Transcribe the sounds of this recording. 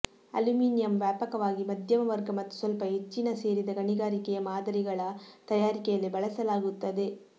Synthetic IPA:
ɐlɯmiːnɪjɐmʋaːpɐkɐʋaːɣimɐd̪jɐmɐʋɐɾɡɐmɐt̪ːɯ̥sɔlpɐɛt͡ʃːinɐseːɾiðɐɡɐɳɪɣaːɾɪkːɐjɐmaːðɐɾɪɣɐɭaːt̪ɐjaːɾɪkːɐjɐlebɐɭɐsɐlaːɣɯt̪ːɐðɯ

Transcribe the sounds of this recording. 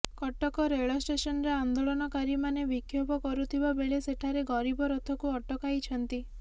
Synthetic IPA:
kɔʈɔkɔɾeɭɔsʈesɔnɔɾeand̪oɭɔnɔkaɾimanebikʰjobɔkɔɾut̪ʰibabeɭeseʈʰaɾeɡɔɾibɔɾɔt̪ʰɔkuɔʈɔkajt͡ʃʰɔnt̪i

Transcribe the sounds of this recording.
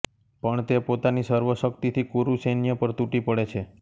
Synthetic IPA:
pəɳt̪epot̪anisəɾʋəʃək̚t̪it̪ʰikuɾusenjəpəɾt̪uʈipəɽet͡ʃʰe

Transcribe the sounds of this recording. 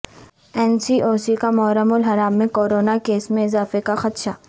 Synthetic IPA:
ɛːnsiʔoːsikamɔːɾəmʊlɦɐɾaːmːẽkoːɾoːnakeːsmẽɪzaːfekaxɐt̪ʃaː

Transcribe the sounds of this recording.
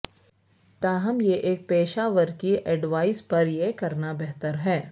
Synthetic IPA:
t̪aːɦɐmjeʔeːk̚peːʃaːʋəɾkiʔɛɖʋaːɪspɐɾjekɐɾnabɛɦt̪əɾɦɛː

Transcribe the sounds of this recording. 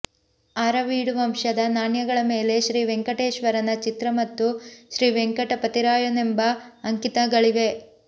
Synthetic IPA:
aːɾɐʋiːɽuʋɐmʃɐd̪ɐnaːɳjɐɡɐɭɐme̞ːle̞ʃɾiːʋeŋkɐʈeːʃʋɐɾɐnɐt͡ʃit̪ɾɐmɐt̪ːuʃɾiːʋeŋkɐʈɐpɐt̪iɾaːjunembɐːŋkit̪ɐɡɐɭiʋe

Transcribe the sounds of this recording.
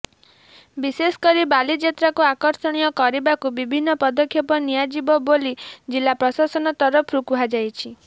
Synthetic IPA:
bisesɔ̥kɔɾibalid͡ʒet̪ɾakuakɔɾsɔɽ̃ijɔkɔɾibakubibʱinːɔpɔd̪ɔkʰːjɔpɔnijad͡ʒibɔbolid͡ʒilːapɾɔsasɔnɔt̪ɔɾɔpʰɾukuɦad͡ʒajt͡ʃʰi

